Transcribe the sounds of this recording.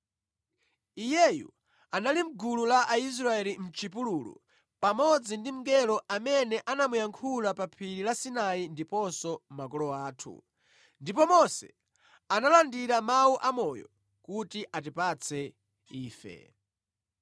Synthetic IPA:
ijɛjṵ | analim̩ɡululaʔais̬ɾaɛlim̩t͡ʃipululṵ | pamɔd͡zindim̩ɡɛlɔʔamɛnɛʔanamujaŋkʰulapapʰiɾilasinaindipɔsɔmak̬ɔlɔaːtʰṵ | ndipɔmɔsɛ̰ | analandiɾamauʔamɔjɔ̰ | kutiʔat̬ipat͡sʰɛ | iːfɛ̰

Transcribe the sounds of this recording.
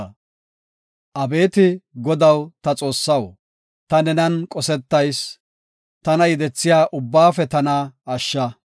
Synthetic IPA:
ʔɐbe̞ːt̪ɪɡɔd̪ɐwt̪ɐt͡sʼo̞ːsːɐw | t̪ɐnɛnɐnkʼɔsɛt̪ːɐjs | t̪ɐnɐjɪd̪ɛt͡sːɪjaːʔʊbːaːfɛt̪ɐnɐɐʃːɐ

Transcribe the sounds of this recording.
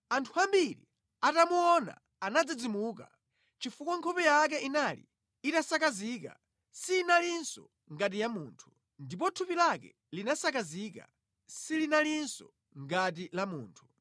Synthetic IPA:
antʰuambilḭ | atamuɔna̰ː | nad͡zid͡zimuːka̰ | t͡ʃifukɔŋkʰɔpɛjak̬ɛinalḭ | itasakazika̰ | siːnalinsɔ | ŋɡat̬ijamuːntʰu̥ | ndipɔtʰupilakɛ̰ | linasakaziːka̰ | silinalinsɔ̰ | ŋɡat̬ilamuːntʰu̥

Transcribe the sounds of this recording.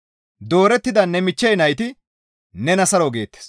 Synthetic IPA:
d̪o̞ːɾɛt̪ːɪd̪ɐnːɛmɪt͡ʃːɛjnɐjt̪ɪ | nɛnɐsɐɾoɡe̞ːt̪ːe̥s

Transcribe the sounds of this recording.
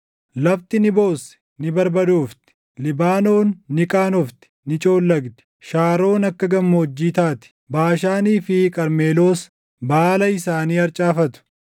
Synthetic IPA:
lɐbt̪ɪnɪbo̞ːsɛ̥ | nɪbɐɾbɐd̪oːft̪ɪ̥ | lɪbaːnoːnːɪkʼaːnɔft̪ɪ̥nɪt͡ʃʼo̞ːlːɐɡd̪ɪ̥ | ʃaːɾo̞ːnɐkːɐɡɐmːoɔd͡ʒːiːt̪aːt̪ɪ̥ | baːʃaːniːfɪkʼɐɾme̞ːlo̞ːs | baːlɐɪsaːniːɐɾt͡ʃʼaːfɐt̪ʊ̥

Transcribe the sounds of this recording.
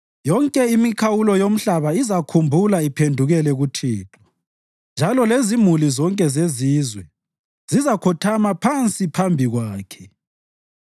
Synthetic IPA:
jɔŋkʼɛimikʰawulɔjom̩ɬaβaizakʰumbʱulaipʰendʱuɣɛlɛɣutʰiːtʰɔ̥ | nd͡ʒʱalɔlezimulizɔŋkʼɛzeziːzwɛ | z̥izakʰɔtʰamapʰant͡sʼipʰambʱiɣwaːkʰɛ̥

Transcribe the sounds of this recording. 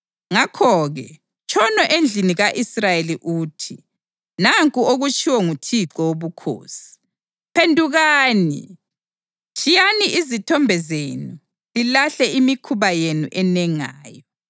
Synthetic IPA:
ŋakʰɔɣɛ̰ | t͡ʃʼʰɔnɔʔend͡ɮʱiniɣaʔisrajeliʔuːtʰi | naŋkʼuoɣut͡ʃʰʼiwɛŋutʰiǁɔwoβukʰo̰ːsi̥ | pʰendʱuɣaːnḭ | t͡ʃʰʼijaniʔizitʰɔmbʱɛzenu | lilaɬɛimikʰuβajenṵʔɛnɛŋa̰ːjɔ

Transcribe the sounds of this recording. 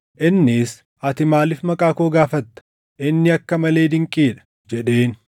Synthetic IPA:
ʔɪnːɪs | ʔɐt̪ɪmaːlɪfmɐkʼaːkoːɡaːfɐt̪ːɐ̥ | ʔɪnːɪɐkːɐmɐle̞ːd̪ɪŋkʼiːᶑɐ̥ | d͡ʒɛᶑe̞ːn

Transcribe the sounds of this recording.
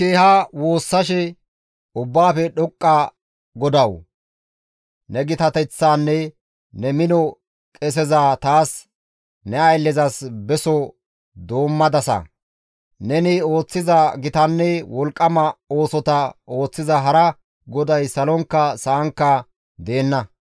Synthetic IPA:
keːhawo̞ːsːɐʃɛ | ʊbːaːfɛɗɔkʼːa | ɡɔd̪ɐw | nɛɡɪt̪ɐt̪ɛt͡sːaːnːɛ | nɛmɪnɔ | kʼɛs̬ɛzat̪aːs | nɛɐjlːɛzɐsbɛsɔ | d̪o̞ːmːɐd̪ɐsɐ̰ | nɛnɪo̞ːt͡sːɪzɐɡɪt̪ɐnːɛwɔlkʼːɐmɐo̞ːsɔt̪ɐo̞ːt͡sːɪzɐɦɐɾɐ | ɡɔd̪ɐjsɐlɔŋkːɐsɐːŋkːɐ | d̪e̞ːnːɐ

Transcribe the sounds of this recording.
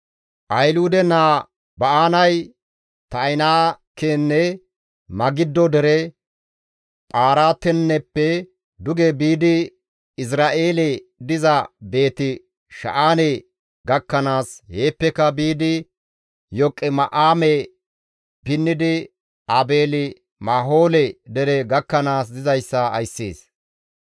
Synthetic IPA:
ʔɐjlud̪ɛnaː | bɐʔaːnɐj | t̪ɐɪnaːkeːnːɛ | mɐɡɪd̪ːɔd̪ɛɾɛ | p̪ʼaːɾaːt̪ɛnːɛpːɛ | d̪ʊɡebiːd̪ɪ | ɪs̬ɾaːʔeːled̪ɪzɐbe̞ːt̪ɪ | ʃɐ̰ʔaːne | ɡɐkːɐnaːshe̞ːpːɛkɐbiːd̪ɪ | jɔkʼːɛmɐʔaːmɛ | pɪnːɪd̪ɪ | abe̞ːlɪ | maːɦo̞ːlɛd̪ɛɾɛɡɐkːɐnaːs̬d̪ɪzɐjsːɐɐ̰jsːḛːs

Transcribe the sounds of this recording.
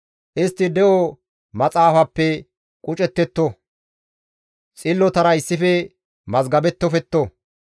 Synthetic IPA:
ʔɪst̪ːɪd̪ɛʔɔ | mɐt͡sʼaːfɐpːɛ | kʼʊt͡ʃʼɛt̪ːɛt̪ːɔ | t͡sʼɪlːɔt̪ɐɾɐɪsːɪfɛ | mɐzɡɐbɛt̪ːɔfɛt̪ːo

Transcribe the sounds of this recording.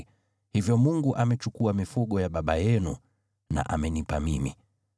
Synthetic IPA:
hivjɔmuŋɡuʔamɛt͡ʃukuamifuɠɔjaɓaɓajɛnṵ | na̰ʔamɛnipamimḭ

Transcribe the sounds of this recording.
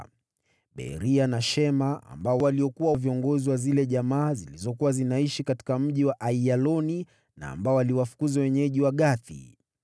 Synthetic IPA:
ɓɛ̰ɾianaʃɛmaa̰mbaɔwaliɔkuwaviɔŋɡɔziwazilɛʄamaːzilizɔkuwazinaiʃikati̥kam̩ʄiwaʔaialɔni | na̰ːmbaɔaliwafu̥kuzawɛɲɛʄiwaɠaθḭ

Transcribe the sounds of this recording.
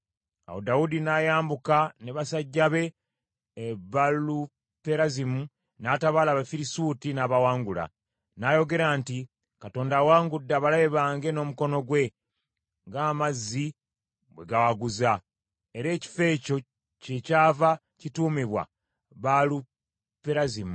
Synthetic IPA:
a̰wo̰daudinajaːmbukaneβasaɟːaβe̞ː | βalu | pe̞ɾazimu | naːtaβaːlaːβafiɾisutinaːβawaːŋɡula̰ | naːjo̞ɡe̞ɾaːnti | kato̞ːndaːwaːŋɡudːaβalaβe̞βaːŋɡe̞no̞ːmuko̞no̞ɡwe̞ | ŋɡaːmazːi | bwe̞ɡawaɡuza | e̞ɾe̞ːci̥fe̞ːco̞ | ce̞caːva | cituːmiβwa̰ | βalu | pe̞ɾazimu

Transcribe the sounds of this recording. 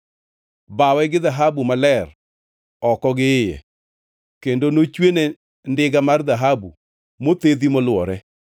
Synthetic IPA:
bawɛɡɪðaɦabumalɛr | ɔkɔɡɪːjɛ̰ | kendonot͡ʃwene | ndɪɡamard̪aɦabṵ | mot̪ed̪imɔlwɔɾɛ

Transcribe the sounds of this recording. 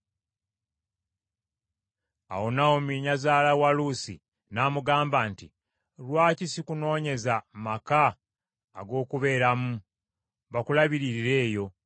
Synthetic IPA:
a̰wo̞nawomiɲazaːlawalusḭ | naːmuɡaːmbaːnti | lwaːcisikuno̞ːɲe̞zamakaː | ɡo̞ːkuβe̞ːɾamu | βakulaβiɾiɾiɾe̞ːjo̞

